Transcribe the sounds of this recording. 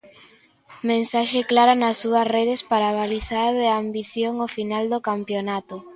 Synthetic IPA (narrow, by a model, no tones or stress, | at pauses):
mẽnsaʃeklaɾanɐsːuɐsreð̞espaɾaːβaliθaɾðɪambiθjoŋofinald̪okampjonat̪ʊ